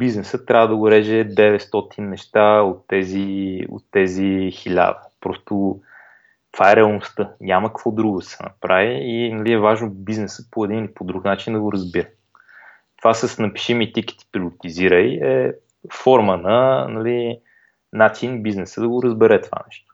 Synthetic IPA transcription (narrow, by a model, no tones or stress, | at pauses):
biznɛsɤt̪ːɾʲavəd̪ɐɡoɾɛʒɛd̪ɛvɛt̪st̪ɔt̪ʰinːɛʃt̪aot̪ːɛzio̰t̪ːɛzixilʲa̰d̪əpɾɔst̪o | t̪v̥aɛɾɛɐlˠnost̪ɤɲaməkəkvɔd̪ɾuɡʊd̪ɐsɛnɐ̰pɾaviːnɐliɛvaʒnobiznɛsəpoɛd̪inilipod̪ɾuknat͡ʃind̪ɐɡoɾəzbiɾə | t̪ovasəsnɐpi̥ʃimit̪iki̥t̪i̥pɾiolit̪iziɾəiɛ | fɔɾmənɐnɐli | nat̪sinibiznɛsəd̪ɐɡoɾəzbɛɾɛt̪ova̰nɛ̰ʃt̪o̥